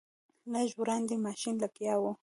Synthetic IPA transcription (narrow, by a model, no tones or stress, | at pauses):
naʒʊɾand̪ɪmaʃɪnlakjawʊ